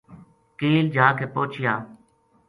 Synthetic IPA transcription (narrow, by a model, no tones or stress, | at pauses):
kiːld͡ʒʱaːkʰeːpoːt͡ʃʰɪjaː